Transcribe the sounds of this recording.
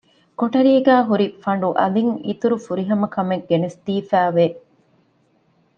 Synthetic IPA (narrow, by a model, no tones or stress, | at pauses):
koʈɐɾiːɡæːɦuɾifɐɳ̆ɖuʔɐ̰liŋḭt̪uɾufuɾiɦɐmɐkɐmeɡːenesd̪iːfæːʋe